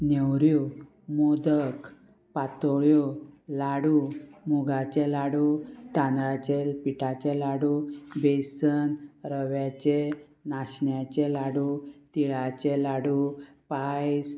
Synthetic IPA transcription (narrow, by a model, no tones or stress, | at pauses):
newɾju | mod̪ək | pat̪ɔɭjolaɽumuɡat͡ɕɛlaɽut̪ãnɾat͡ɕɛlpiʈat͡ɕɛlaɽubesənɾəʋjat͡ɕe | naɕɳjat͡ɕɛlaɽut̪iɭat͡ɕɛlaɽupajs